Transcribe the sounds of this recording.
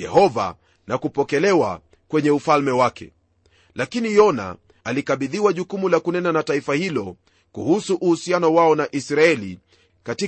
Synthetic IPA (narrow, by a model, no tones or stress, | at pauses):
ɛ̰hɔva̰ | nakupɔkɛlɛwa̰ | kwɛɲɛufalmɛwakʰɛ̰ | lakinijɔna̰ | alikaɓiðiwaʄukumulakunɛnanataifahilɔ | kuhusuʔuhusianɔwaɔnaʔisɾaɛlḭ | kati